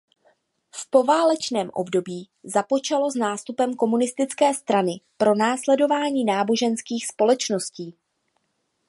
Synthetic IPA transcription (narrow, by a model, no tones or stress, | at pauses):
fpo̞vaːlɛt͡ʃnɛːmʔo̞̰bdo̞biː | zapo̞t͡ʃalo̞znaːst̪upɛmko̞munɪst̪ɪt͡skɛːst̪ɾanɪpɾo̞naːslɛdo̞vaːɲiːnaːbo̞ʒɛnskiːxspo̞lɛt͡ʃno̞sciː